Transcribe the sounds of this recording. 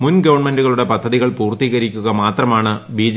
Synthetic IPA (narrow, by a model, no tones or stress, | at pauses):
munɡɐʋɐɳme̞nduɣɐɭuɽe̞pɐd̪ʱːɐðiɣɐɭpuːrt̪iːɣɐɾikʲːuɣɐmaːt̪rɐmaːɳɨbiːd͡ʑ